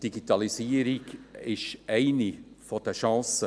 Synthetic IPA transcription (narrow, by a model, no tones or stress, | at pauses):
d̥iɡitɑlisiːəɾiɡɪʃʔæɪnifɔd̥əʃɑ̃ːsə